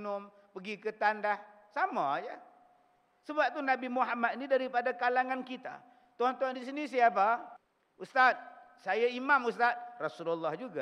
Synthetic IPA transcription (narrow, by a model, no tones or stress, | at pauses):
nʊm | pəɡikət̪andah | samajə | səbap̚t̪unabimuɦamat̪̚inidaɾipadakalaŋankit̪a̰ | t̪uant̪uandis̬inisiapa | ust̪at̪̚sajaimamust̪at̪̚rasululːahd͡ʒuɡa